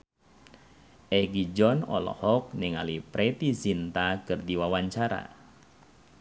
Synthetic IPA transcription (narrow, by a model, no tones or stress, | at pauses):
ʔɛɡid͡ʒɔnɔ̰lɔ̰hɔk̚nɪŋa̰lipɾet̪isint̪akɨrd̪iwawaɲt͡ʃaɾa̰